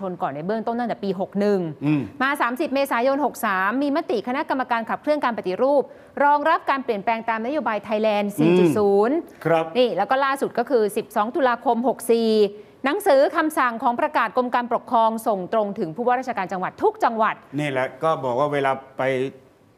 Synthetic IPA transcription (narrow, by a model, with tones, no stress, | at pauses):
o˧nkɔː˨˩nːda˧jbɯ˥˩əŋt̪o˥nt̪a˥˩t̪ɛː˨˩piː˧ɦo˨˩k̚nɯ˨˩ŋ˨˧˨maː˧saː˩˦msi˨˩p̚meː˧saː˩˦jo˧nɦo˨˩k̚saː˩˦mːiː˧ma˦˥t̪i˨˩kʰa˧na˦˥ka˧mːa˧kaː˧nkʰa˨˩p̚kɾɯ˥˩əŋkaː˧npa˨˩t̪i˨˩ɾuː˥˩p̚ | ɾɔː˧ŋɾa˦˥p̚kaː˧npli˨˩ənplɛː˧ŋt̪aː˧mna˦˥joː˧baː˧jt̪ʰa˧jlɛː˧nsiː˨˩˧t͡ɕu˨˩suː˩˦nkʰɾa˦˥p̚niː˥˩lɛ˦˥wkɔː˥˩laː˥˩su˨˩t̪̚kɔː˥˩kʰɯː˧si˨˩p̚sɔː˩˦ŋt̪u˧laː˧kʰo˧mɦo˨˩k̚siː˨˩ | na˩˦ŋsɯː˩˦kʰa˧msa˨˩ŋkʰɔː˩˦ŋpɾa˧kaː˨˩t̪̚ko˧mkaː˧npɾo˨˩kʰːɾɔː˧ŋso˨˩ŋt̪ɾo˧ŋt̪ʰɯ˩˦ŋpʰuː˥˩wa˥˩ɾaː˥˩t͡ɕʰa˧kaː˧nt͡ɕa˧ŋwa˨˩t̪ʰːu˦˥k̚t͡ɕa˧ŋwa˨˩t̪̚niː˥˩lɛ˨˩kɔː˥˩bɔː˨˩k̚waː˥˩weː˧laː˧pa˧j